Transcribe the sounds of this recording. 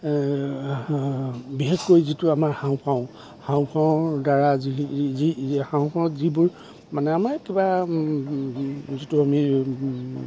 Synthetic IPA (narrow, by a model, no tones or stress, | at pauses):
biɦekkojzitʊamaɹxãw̃pʰaw̃ | hãw̃pʰaw̃daɹaziihãw̃pʰaw̃tzibʊɹ | manɛamaɹkiba | zituami